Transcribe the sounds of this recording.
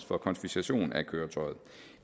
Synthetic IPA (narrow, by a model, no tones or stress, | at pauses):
sfɒ̽kʰɒ̽nsb̥isæɕo̝̰ːnækʰøːɐt͡sʰɒ̽ɪð̞̩̥ˠ